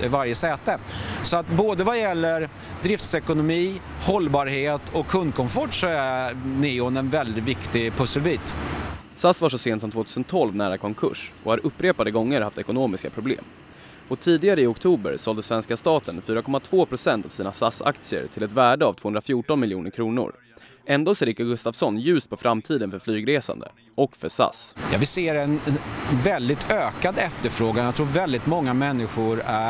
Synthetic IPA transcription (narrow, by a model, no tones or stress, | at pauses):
vaɾjəsɛːt̪əsɔat̪boːd̪əvajɛlːəɾ | d̪ɾɪft̪sɛkʊnʊmiː | hɔlbɑːɾheːt̪ʰɔkʰːɵnd̪̚kʰɔmfɔʈsɔænɪɔnɛnvɛld̪ɪt̪vɪkt̪ɪpʰɵsːəlbiːt̪ | sasvaʂɔseːnt̪sɔmt̪voːt̪ʰʉːsənt̪ʰɔlvnæːɾakʰɔŋkʰɵ̰ʂʔɔhaɾɵpːɾeːpad̪əɡɔŋːəɾhaft̪ɛkʊnoːmɪskapʰɾʊblḛːm | ɔt̪ʰiːd̪ɪɡaɾəɪɔkt̪ʰuːbə̰ɾsɔld̪əsvɛnskast̪ɑːt̪ənfyːɾakʰɔmat̪ʰv̥oːpʰɾʊsɛnt̪av̥siːnasa̰sa̰k̚t̪sɪə̰ɾʈʰɪlɛt̪væːɖəavt̪ʰoːhɵnɾafjuːʈɔnmɪljuːnəɾkʰɾuːnʊ̰ɾ | ʔɛnd̪oːsɾɪːkːaɡɵst̪avsɔnjʉ̟ːst̪̚pʰɔfɾamt̪ʰiːd̪ənfœɾflyːɡɾeːsa̰nd̪ə̰ | ʔɔkfœsa̰sjɑ̰ːvɪseːɾɛnvɛld̪ɪt̪ʰøːkad̪ɛft̪əɾfɾoːɡanjaɡt̪ʰɾuːɾvɛld̪ɪt̪mɔŋːamɛnːɪɧʊɾæ